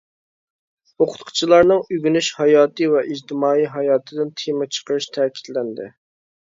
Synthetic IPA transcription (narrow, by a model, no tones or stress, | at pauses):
oqʰʊ̥t̪qʰʊ̥t͡ʃʰilˠɑɾnɨŋyɡʲynyʃhɑjɑːt̪ɨvɛʔid͡ʒt̪ʰɪmɑːiɦɑjɑːt̪ʰɨd̪ɪnt̪ʰemɛt͡ʃʰə̥qəɾɨʃt̪ʰɛkʲʰi̥t̪lɛnd̪ɪ̰